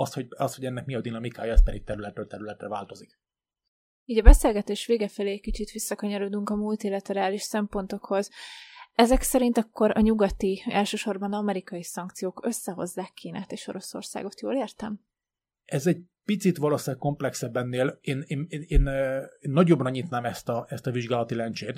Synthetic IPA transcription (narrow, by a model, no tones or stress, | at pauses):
ɒst̪hoɒst̪hoɟɛnːɛk̚miɒd̪inɒmikaːjɒɛspɛd̪ik̚t̪ɛɾylɛt̪rølt̪ɛɾylɛt̪rɛ̰va̰ːlt̪o̞zik | iːɟɒbɛseːlɡɛt̪eːʃʋeːɡɛfɛleːɛckit͡ʃit̪ʋisːɒkøɲɒɾod̪uŋkɒmult̪ilɒt̪ɛɾaːliʃsɛmpo̞nt̪o̞kho̞z | ɛzɛksɛɾint̪ɒkːo̞ɾɒɲuɡɒt̪iɛ̰lʃøːʃo̞rbɒnɒmɛɾikɒjisɒŋkt̪sijoːkø̞sːɛɦo̞̰zːaːkʰːiːna̰ːt̪eːʃo̞̰ɾo̞so̞̰rsa̰ːɡo̞t̪joːleːrt̪ɛm | ɛzɛɟpit̪sit̪ʋɒloːsaːk̚ko̞mplɛksɛbːɛnːeːleːneːneeːnːnːɒɟobnɲiːt̪naːmɛst̪ɒɛst̪ɒviʒɡaːlɒt̪ilɛnt͡ʃeːt̪